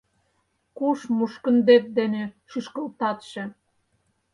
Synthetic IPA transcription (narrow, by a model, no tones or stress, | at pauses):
kuʃmuʃkə̆nd̪ep̚d̪eneʃyʃkəlt̪ɑt̪ʃĕ